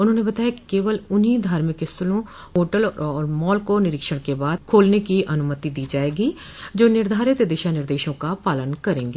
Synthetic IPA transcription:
ʊnɦõːnebət̪aːjaki̥keːʋəlʊnid̪ʱaːɾmɪkɪst̪lõ | ɦoːʈəlɔːɾmɔːlkonɪɾɪkʃəɽ̃kebaːd̪̚kʰoːlnekiʔənʊmət̪id̪iːd͡ʒaːeːɡiː | d͡ʒoːnɪɾd̪ʱaːɾɪt̪d̪eʃanɪɾd̪eːʃõkapaːlənkəɾẽːŋɡeː

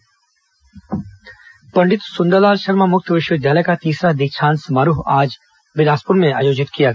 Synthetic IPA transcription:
pɐɳɖɪt̪sʊnd̪əlaːlʃɐɾmamʊk̚t̪ʰʋɪʃwəd̪jaːlekat̪iːsɾad̪ɪk̚t͡ʃʰaːnsmaːɾuɦaːd͡ʒ | bɪlaːspʊɾmẽaːjoːd͡ʒɪt̪kijaɡ

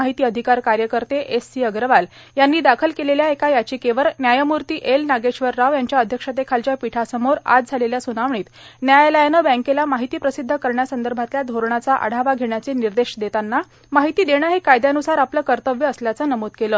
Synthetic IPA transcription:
aɦit̪iːəd̪ʱikaɾkaɾjəkəɾt̪eʔesːiəɡɾəʋal | janːiːd̪akʰəlkeleljaekajat͡ɕiːkeʋəɾnjajəmuɾt̪iːʔelnaɡeɕʋəɾːaʋjaɲt͡ɕjaəd̪ʱjəkʂət̪̬ekʰalt͡ɕjapiʈʰasəmoɾa̰d͡zd͡zʱaleljasunaʋɳiːt̪ | njajləjanəbɛ̃ŋkelamaɦit̪iːpɾəsid̪ʱːəkəɾɳjasənd̪əɾbʱat̪ljad̪ʱoɾɳat͡saʔə̰ɽ̤aʋaɡʱeɳjat͡seniɾd̪eɕd̪et̪anːa | maɦit̪iːd̪eɽ̃əːɦekajd̪janusaɾapləːkəɾt̪əʋjəːsljat͡sənəmot̪̚keləː

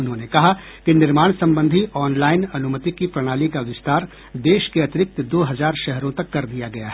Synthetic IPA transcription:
ʊnɦõnekɐɦa | kinɪɾmaːɽ̃sɐ̃mbə̃nd̪ʱiɔːnlaːɪnɐnʊmət̪ikipɾɐɽ̃aːlikaʋɪst̪aːɾ | d̪eːʃkeɐt̪ɪɾɪk̚t̪d̪oːɦɐzaːɾʃɛɦɾõt̪ɐkːɐɾd̪ijaɡɐja̰ɦɛː

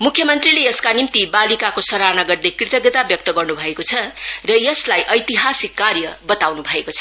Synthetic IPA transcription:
mukʰːjʌmʌnt̪rilejʌskanimt̪ibalikakosʌɾanʌɡʌrd̪ekrit̪ʌɡet̪abjʌk̚t̪ʌɡʌrnubʱʌekot͡sʰʌrʌjʌslajʔʌjt̪iɦasikːarjʌbʌt̪awnubʱʌekot͡sʰʌ

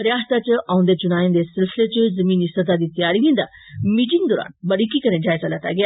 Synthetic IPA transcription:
ɾjast̪at͡ɕəʔaũnd̪et͡ɕunajẽnd̪esilslet͡ɕəd͡zəmiːnisət̪ad̪it̪ijaɾiɡĩnd̪a̰ | miʈiŋd̪ɔɾa̰nbəɽikikəɾẽdʱjajt͡saljat̪a̰ɡe

